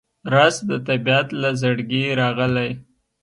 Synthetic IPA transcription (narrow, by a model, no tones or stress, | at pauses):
ɾɑzd̪ət̪abiat̪lazaɽɡeɾɑɣəlaj